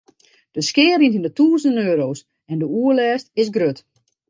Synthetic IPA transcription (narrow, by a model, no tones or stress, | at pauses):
d̥əskɪːəɾinindətuːznøːɾoːs | ɛndəuəlɛːstɪsɡrøt